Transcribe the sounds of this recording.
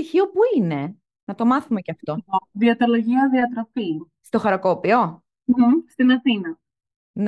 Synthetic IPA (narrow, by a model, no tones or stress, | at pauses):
içio̞puine̞ | nɐt̪o̞mɐθume̞ceɐft̪o̞ðiɐt̪oloʝiɐðiɐt̪ɾofi | st̪o̞xɐɾokopio̞ | st̪inɐθinɐ | n